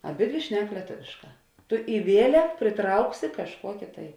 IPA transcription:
ɐˈbʲɪdʲʋʲɪ ˈʃʲnʲɛk lʲiɛˈtoːʋʲeːʃˌkɑː ˈtʊ ɪ ˈʋʲiɛlʲɛk pʲrʲɪˈtrɐʊksʲɪ kɐʃˈkuɔkʲɪ tɐɪ

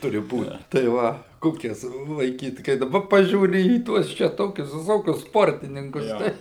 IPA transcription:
ˈtʊrʲɪ ˈbuːt tɐɪ ˈʋɐ ˈkoːkʲɛs lˠɐɪˈkʲiːt kɐɪ dɐˈbɐ ˈpɑːʒʲuːrʲɪ iː ˈtuɔs t͡ʃʲɛ ˈtoːkʲʊs ʋʲɪˈsoːkʲʊs ˈspoːrʲtʲɪnʲɪŋkʊs tɐɪ

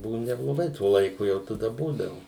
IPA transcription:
ˈbʊʋʊ nʲɛblˠoːˈɡɐɪ ˈtuɔ lˠɐɪˈkʊ ˈjɛʊ tɐˈdɐ ˈbuːdɐʋʊ

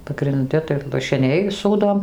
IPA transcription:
pɐɡrʲɪnʲˈdʲɪ tɐɪ lˠɐʃʲɪˈnʲɛɪ ˈsuːdoːm

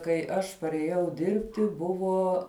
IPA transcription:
kɐɪ ˈɐʃ pɐrʲeːˈjɛʊ ˈdʲɪrʲpʲtʲɪ ˈbʊʋoː

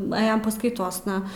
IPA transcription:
nʊˈæːjoːm pɐskɐɪˈtoːsnɐ

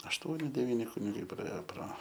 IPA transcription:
ɐʃˈtuɔnʲɪ dʲɛˈʋʲiːnʲɪ kʊnʲɪˈɡɐɪ prɐˈeːjoː proː

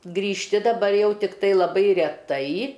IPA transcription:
ɡrʲiːʃʲˈtʲɪ dɐˈbɐr ˈjɛʊ ˈtʲɪktɐɪ lˠɐˈbɐɪ rʲɛˈtɐɪ

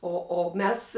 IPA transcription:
oː oː ˈmʲɛs

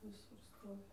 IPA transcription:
ʋʲɪˈsʊr ˈstoːʋʲɪ

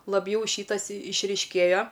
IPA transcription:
lˠɐbʲˈjɛʊ ˈʃʲiːtɐs ɪʃʲrʲiːʃʲˈkʲeːjoː

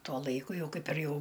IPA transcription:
ˈtuɔ ˈlˠɐɪkʊ ˈjɛʊ ˈkɐɪp ɪr ˈjɛʊ

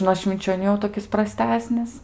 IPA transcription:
nuɔ ʃʲʋʲɪnʲt͡ʃʲoːˈnʲuː jɛʊ toːˈkʲɪs prɐˈsʲtʲæːsʲnʲɪs

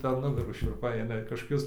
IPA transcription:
pʲɛr ˈnʊɡɐruː ʃʲʊrˈpɐɪ ˈɐɪnɐ kɐʃkoːˈkʲʊs

